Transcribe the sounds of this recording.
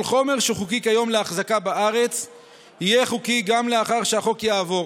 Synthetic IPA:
lχo̞me̞ʁʃeχukikajo̞mleaχzakabaaʁe̞t͡s | hijeχukiɡamle̞aχaʁʃeaχokjaːvo̞ʁ

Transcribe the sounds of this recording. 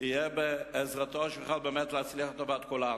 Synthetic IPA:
ijebeːzʁat̪oaʃveχalbeːmet̪leat͡sliaχet̪avat̪̚kula

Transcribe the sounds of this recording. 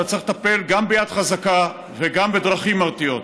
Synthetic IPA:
at͡sʁiχet̪ape̞lɡambejad̪χazaka | veɡambe̞d̪ʁaχimaʁt̪ijo̞t̪

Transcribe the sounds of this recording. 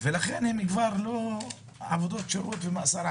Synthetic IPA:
velaχenhemikvaɾlo | ʕavod̪o̞t̪ʃaɾot̪vemasaɾ

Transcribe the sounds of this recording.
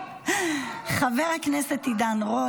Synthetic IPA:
χaveʁhakneset̪id̪anʁo

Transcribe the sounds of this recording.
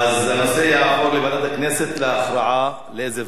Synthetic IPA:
ʔazanosejaʕmoɾlibad̪at̪akneset̪leaxɾɑʕa | leʔeze

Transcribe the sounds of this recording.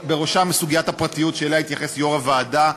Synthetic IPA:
be̞ʁo̞ʃamesuɡijathapʁat̪ijutʃelait̪jaχe̞sjo̞ʁavaːda

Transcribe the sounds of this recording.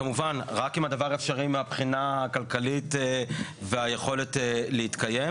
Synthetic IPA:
kamuvanʁakimadavaʁaefʃaʁimeapχinaːkalkalit | veaje̞χo̞letleit̪kaje̞m

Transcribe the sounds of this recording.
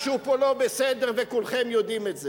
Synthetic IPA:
ʃeupolo̞besed̪eʁvekulχemjod̪imetze

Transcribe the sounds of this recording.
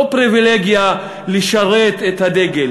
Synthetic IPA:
pʁivileɡja | liʃaʁet̪et̪had̪eɡel

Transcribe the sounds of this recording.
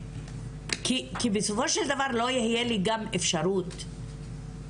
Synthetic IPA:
kikibesofo̞ʃeld̪avaʁlo̞jihjeliɡamefʃaɾut̪

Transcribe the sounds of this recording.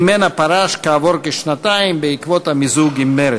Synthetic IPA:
menapaɾaʃkaːvoɾkeʃnat̪aimbeikvot̪amizuɡimːeɾe

